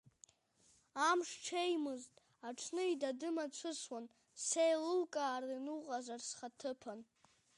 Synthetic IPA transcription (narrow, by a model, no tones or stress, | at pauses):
amʂʈ͡ʂʰejmɨztʼ | aʈ͡ʂʰnɨidadɨmat͡ɕʷʰɨswan | sejlɨlkʼaːrinuʁʼazarsχatʰɨpʰan